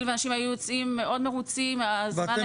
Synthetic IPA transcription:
lveanaʃimajujot͡simːe̞ʔo̞d̪meʁut͡simazman

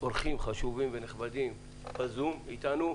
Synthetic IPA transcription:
oɾχimχaʃuvimveneχbad̪im | bazumit̪anu

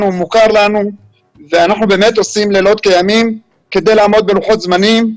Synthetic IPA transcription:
numukaʁlanu | veanaχnube̞ːme̞t̪o̞simle̞ːlo̞t̪̚kejamim | ke̞d̪e̞jlaːmo̞d̪̚be̞luχo̞t̪zmanim

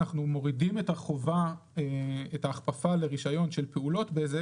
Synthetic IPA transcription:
aχnumo̞ʁidime̞taχo̞va | eetaːχpafale̞ʁiʃajo̞nʃelpeulo̞tbeeze

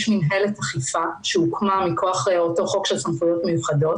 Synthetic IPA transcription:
ʃminɦelethaχifaʃeukmamikʰoaχleoto̞χokʃelsanfujo̞tmejuχado̞t

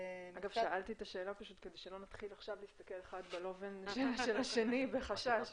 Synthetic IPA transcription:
aɡavʃaʔalt̪it̪aʃe̞ːlapaʃut̪ked̪ejʃelo̞nat̪χilaχʃavliːst̪ake̞leχad̪belo̞venʃeʃelaʃe̞nibeχaʃaʃ

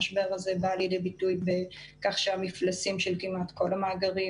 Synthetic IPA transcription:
ʃbe̞ʁaze̞baljede̞bitujbe | kaχʃeamiflasimʃelkimatko̞lamaːɡaʁi

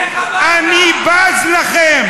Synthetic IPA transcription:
anibazlaχem

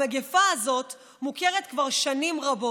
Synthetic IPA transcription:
eɡefaːzo̞t | mukeʁet̪kvaʁʃanimʁabo

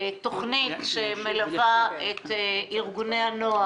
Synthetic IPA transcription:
t̪oχnit̪ʃemelavaet̪ʔiʁɡuneanoa

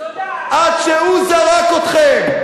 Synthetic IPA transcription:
ʔad̪ʃeuzaʁakot̪χɛm

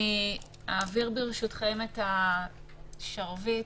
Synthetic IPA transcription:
i | aːviʁbeʁeʃutχemeta | ʃaʁvi

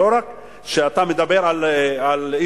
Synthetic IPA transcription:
oɾak | ʃeat̪amed̪abeɾalali

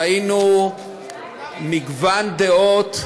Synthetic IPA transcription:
inu | miɡvand̪eot̪

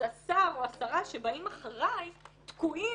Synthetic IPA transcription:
asaʁo̞asaʁaʃe̞baimaχaʁajt̪kui

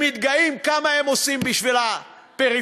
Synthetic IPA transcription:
mit̪ɡaimkamaemo̞simbiʃvila | peʁi

